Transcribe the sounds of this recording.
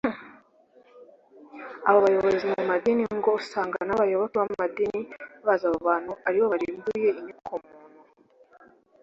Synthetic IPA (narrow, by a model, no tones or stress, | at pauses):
aβaβajo̞βozimumadiniŋɡo̞saːŋɡanaβajoβokiβamumadiniβazaβoβaːn̥huaɾiβoβaɾiːmbuje̞iɲikʰomuːnu